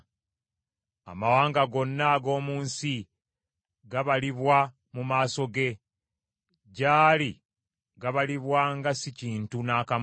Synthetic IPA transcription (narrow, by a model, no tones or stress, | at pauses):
a̰mawaːŋɡaɡo̞nːaɡo̞ːmuːnsi | ɡaβaliβwa | mumaːso̞ɡe̞ | ɟaːli | ɡaβaliβwaŋɡasiciːntunaːkam